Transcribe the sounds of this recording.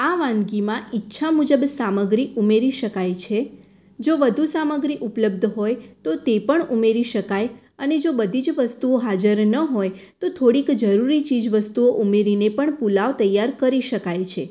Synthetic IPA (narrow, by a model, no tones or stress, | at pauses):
aʋãnɡimãʔitːʃʰamud͡ʒəbsaməɡɾiʔumeɾiʃəkajt͡ʃʰe | d͡ʒoʋəd̪ʱusaməɡɾiʔupləb̚d̪ʱɦojt̪ot̪epəɳumeɾiʃəkaj | əned͡ʒobəd̪ʱid͡ʒʋəst̪uoɦad͡ʒəɾnəɦoj | t̪ot̪ʰoɽikd͡ʒəɾuɾit͡ʃid͡ʒʋəst̪uoʔumeɾinepəɳpulaʋt̪əjːaɾkəɾiʃəkajt͡ʃʰe